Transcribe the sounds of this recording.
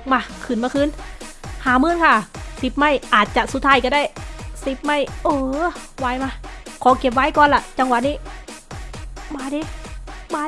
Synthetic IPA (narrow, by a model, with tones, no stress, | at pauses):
maː˧˩kʰɯː˨˩nmaː˧kʰɯː˧˥˨nhaː˨˦mɯː˧˥˨nkʰa˧˩si˨˧˦p̚ma˧˥˩jʔaː˨˩t̪̚t͡ɕa˨˩ʔsu˨˧˦t̪ʰːaː˧˩jka˧˩da˧˥˩jsi˧˦p̚ma˧˥˩jʔɤː˨˧˩waː˧˩˨jmaː˧˩kʰɔː˨˦ke˨˩p̚waː˧˥˨jkɔː˧˨nla˧˩t͡ɕa˧ŋwa˧˩niː˧˥˨ | maː˧˩diː˧maː˧